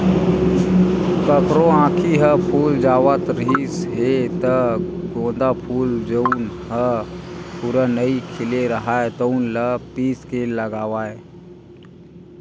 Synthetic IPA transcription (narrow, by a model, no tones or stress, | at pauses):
kəkɾõãːkʰiɦəpʰuːld͡ʒaːʋət̪ɾɦisɦet̪əɡõːnd̪apʰuːld͡ʒəunɦə | puɾanəikʰɪleɾəɦaːet̪əʊnləpiːskeːləɡaːʋae